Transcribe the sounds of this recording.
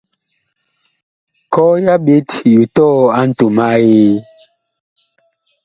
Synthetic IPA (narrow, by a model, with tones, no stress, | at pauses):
kɔ˦ja˦ɓi˦tju˨tɔ˦a˦n̩˦tu˨ma˦ji˦